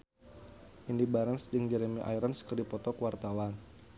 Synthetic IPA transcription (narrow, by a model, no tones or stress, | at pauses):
ʔindibaɾansd͡ʒəŋd͡ʒɛɾɛmiʔa̰jɾənskərdipɔt̪ɔkəwart̪awan